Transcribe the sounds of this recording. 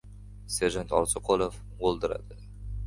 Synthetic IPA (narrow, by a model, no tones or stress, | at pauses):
seʒant̪ɑlˠsəqʰolˠof | olˠd̪əɾɑ̰d̪ə